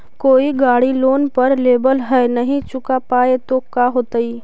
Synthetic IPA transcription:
koːiɡaːɽiloːnpɐɾleːbəlɦɛnɐɦĩt͡ʃʊkapaːet̪okaɦoːt̪əiː

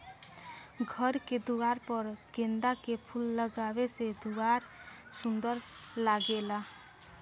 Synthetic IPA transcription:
ɡʱəɾked̪uaːɾpəɾɡẽnd̪akepʰulːəɡaːwesed̪uaɾsʊ̃nd̪əɾlaɡela

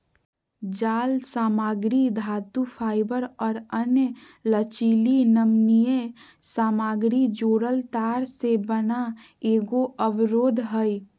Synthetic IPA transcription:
d͡ʒaːlsaːmaːɡɾid̪ʱaːt̪upʰaːɪbəɾɔːɾənj | lət͡ʃiːlinəmnije | saːmaːɡɾid͡ʒoːɾəlt̪aːɾsebəna | eːɡoʔəbɾoːd̪ʱɦəj

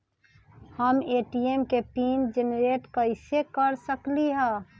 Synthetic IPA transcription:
həmeːʈiemkepiːnd͡ʒenɾeːʈkəɪsekəɾsəkliɦɛ̃

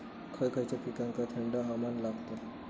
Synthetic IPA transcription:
kʰəjkʰajt͡ɕapikãŋkat̪ʰeɳɖaɦamanlaɡt̪a

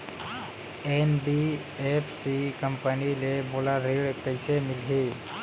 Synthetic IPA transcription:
enbi | epʰsikəmpənilebolaɾeɽekpəjsemɪlɦi

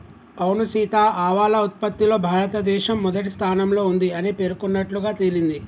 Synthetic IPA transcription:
ɐwnusiːt̪aːʔaːʋaːlɐut̪̚pɐt̪ːilo̞ːbʱaːɾɐt̪ɐd̪ɛːʃɐmːɔd̪ɐʈist̪ʰaːnɐmlo̞ːund̪iɐnipe̞ːɾukunːɐʈluɡaːt̪elind̪i

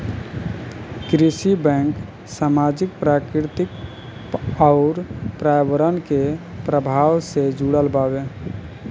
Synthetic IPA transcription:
kɾisibɛ̃ŋk | samad͡ʒik̚pɾakɾɪɾt̪ɪk | ɔʊɾpɾajbəɾənkepɾəbʱawsed͡ʒuɽəlbabe

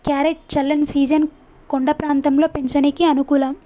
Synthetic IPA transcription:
kjaːɾeʈ̚t͡ʃɐlːɐnsiːd͡ʒɐn | koɳɖɐpɾaːnt̪ɐmlo̞ːpeɲt͡ʃɐnikiɐnukuːlɐm

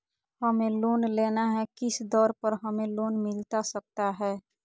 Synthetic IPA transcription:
həmeloːnleːnaɦɛkɪsd̪ɔːɾpəɾɦəmeloːnmɪlt̪asək̚t̪aɦɛː

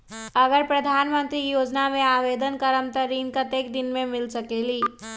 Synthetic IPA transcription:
əɡəɾpɾəd̪ʱaːnmənt̪ɾijoːd͡ʒnamẽaːʋed̪ənkəɾəmt̪əɾinkət̪ekd̪inmẽmɪlsəkeli

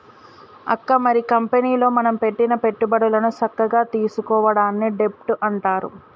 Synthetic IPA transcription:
ɐ̰kːɐmɐɾikɐmpeniːlo̞ːmɐnɐmpe̞ʈːinɐpe̞ʈːubɐɽulɐnut͡ʃɐkːɐɡaːt̪iːsukɔːʋɐɽaːnːiɖe̞p̚ʈuʔɐɳʈaːɾṵ

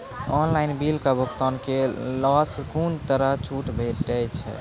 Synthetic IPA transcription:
ɔnlaɪnbilkabʱokt̪ɔnkelɔskunt̪əɾəɦt͡ʃʰuʈbʱeʈɛt͡ʃʰɛ̰

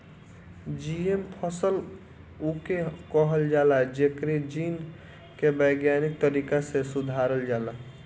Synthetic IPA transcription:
d͡ʒiempʰəsəl | ukekəɦəld͡ʒaːlad͡ʒekɾed͡ʒin | kebəɪɡjanik̚t̪əɾikasesud̪ʱaɾəld͡ʒaːla

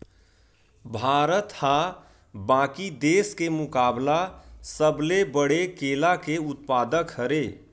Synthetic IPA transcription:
bʱaːɾət̪hã | bãkid̪eskemʊkaːblasəblebəɽekelakeʊt̪pad̪əkhəɾe

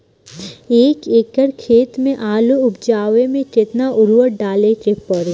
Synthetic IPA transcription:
eːkeːkəɾkʰeːt̪mẽʔaːloʊbd͡ʒaːʋemẽt͡ʃeːt̪naʔʊɾʋəɖaːlekepəɾ

